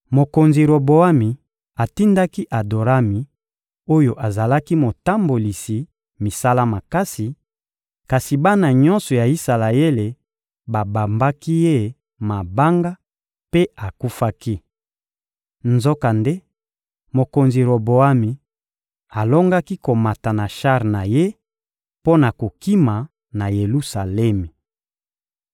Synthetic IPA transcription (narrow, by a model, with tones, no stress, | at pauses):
mo˨ko˨nzi˨ɾo˨bo˨a˦mi˨ | a˨ti˦nda˦ki˦ʔa˨do˨ɾa˦mi˨ | o˦jo˨ʔa˨za˨la˦ki˦mo˨ta˦mbo˨li˨si˨ | mi˨sa˦la˦ma˨ka˦si˨ | ka˨si˨ba˦na˨ɲɔ̃˦nsɔ˨ja˨i˦sa˨la˨e˦le˨ | ba˨ba˨mba˦ki˦je˦˨ | ma˨ba˦ŋɡa˦ | pe˦a˨ku˦fa˦ki˦ | nzo˦ka˨nde˦ | mo˨ko˨nzi˨ʁo˨bo˨a˦mi˨ | a˨lo˦ŋɡa˦ki˦ko˨ma˨ta˨na˨ʃa˦ʁna˨je˦ | po˦na˨ko˨ki˦ma˨ | na˨je˨lu˦sa˨lɛ˦mi˨